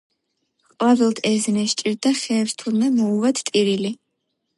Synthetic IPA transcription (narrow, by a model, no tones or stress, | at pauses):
qʼavilˠt̪ʰɛznɛʃt͡ʃʼiɾd̪aχɛːvst̪ʰulmɛmɔuvat̪ʰt̪ʼiɾili